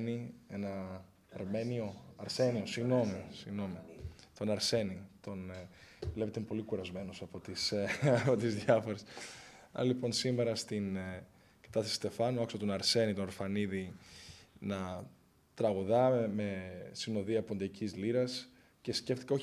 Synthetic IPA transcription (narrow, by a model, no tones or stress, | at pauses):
nienɐ | ɐɾme̞nio̞ɐɾsenio̞siɣno̞misiɣno̞mit̪o̞nɐɾse̞nit̪o̞nvlepet̪empo̞likuɾɐzme̞nosɐpo̞t̪isɐpo̞t̪izðʝɐfo̞ɾesɐ̰ɾɐlipo̞nsimeɾɐst̪in | kɐ̥t̪ɐsθest̪e̞fɐnuɐksɐt̪o̞nɐɾse̞nit̪oɐɾfɐniði | nɐ | t̪ɾɐɣuðɐme̞sino̞ðiɐpo̞nd̪ɐcizliɾɐs | ce̞sce̞ft̪ikɐo̞ç